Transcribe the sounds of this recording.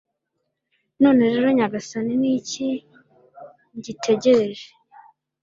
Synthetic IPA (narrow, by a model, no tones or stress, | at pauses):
no̞ːne̞ɾe̞ɾo̞ɲaɡasaniniːci | ɲɟitʰe̞ɟe̞ɾe̞ʒe̥